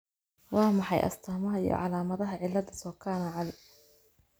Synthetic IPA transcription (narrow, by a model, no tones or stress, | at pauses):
wɑːmɑħɑ̰jʔɐ̰st̪ʰɐːmɐɦɐḭjɔ̰ʕɑlaːmɐðɐɦɐʕɪlːɐdɐsɔːkʰaːnɐʕɑlɪ